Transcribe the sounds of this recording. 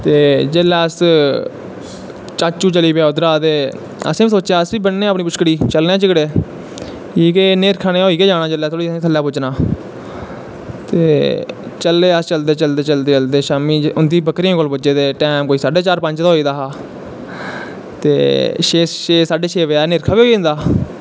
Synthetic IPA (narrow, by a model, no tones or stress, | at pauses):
t̪eːd͡ʒeːlɛːəs | t͡ʃaːt͡ʃũːt͡ʃəliːpaːʊd̪ɾaːt̪eː | ə̰sẽːiːsoːt͡ʃːt͡ʃaːəsbiːbənːẽːəpniːpʊʃkɽiːt͡ʃəlnãːt͡ʃɪkɽeː | iːkeːneːɾkʰaːɽ̃eːɦoːiːkeːd͡ʒaːɽãːd͡ʒelɛːt̪ʰoːɽiːəẽːt̪ʰəlːaːpʊt͡ʃnãː | t̪eːt͡ʃəleːəst͡ʃəld̪eːt͡ʃəld̪eːt͡ʃəld̪eːt͡ʃəld̪eːʃaːmiːʊnd̪iːbəkɾiːãːkoːlbəd͡ʒeːd̪eːʈɛːmkoːiːsaːɖeːt͡ʃaːɾpə̃ɲt͡ʃt̪aɦoːiːd̪aːɦaː | t̪ḛːʃeːʃeːsaːɖeːʃʰeːʋeaːneːɾkʰaːbiːoːĩːnd̪aː